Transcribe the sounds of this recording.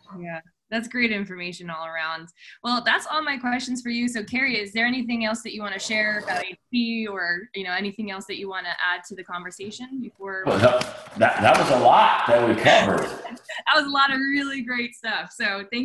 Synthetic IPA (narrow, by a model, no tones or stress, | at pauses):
jæ | ðætsɡ̥ɹeɪɾɪ̃ɱfə˞meɪʃɨ̃nɔlˠə˞ãʊ̃nd̚wɛlˠðætsɔlˠmaɪkʰw̥ɛst͡ʃn̩z̥fə˞jɨsoʊkʰɛɹiɪzðə˞ɛniθɪ̃ŋɛlˠsðɨt͡ʃɨwɑ̃ñɨʃɛɹɡaaɪsiə˞jɨnoʊɛniθɪ̃ŋɛlˠsðɨt͡ʃɨwɑ̃nɨʔæd̚tʰɨðɨkʰɑ̃ɱvə˞seɪʃɨ̃nbɨfɔɹðəðɨt̚ðət̚wʌzəlɔt̚ðɨt̚wɨkʰævə̰˞d̥ðɨt̚wʌzəlɔɾʌɹɪlˠiɡɹeɪtstʌfsoʊθæ̃ŋ